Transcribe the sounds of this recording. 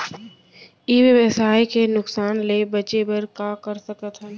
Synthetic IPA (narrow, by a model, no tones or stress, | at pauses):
iʋjəʋəsaːikenʊksaːnlebət͡ʃebəɾkakəɾsəkət̪ɦɛ̃n